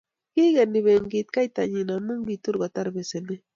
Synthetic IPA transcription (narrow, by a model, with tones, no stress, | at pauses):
ɡi˦ɡa˨nɪ˨βe˨ŋɡit̪̚ka˦jt̪a˨ɲi˨na˨mʊ˦ŋɡi˨t̪ʊ˦ɾɡa˨t̪a˦ɾbe˨se˨ne˦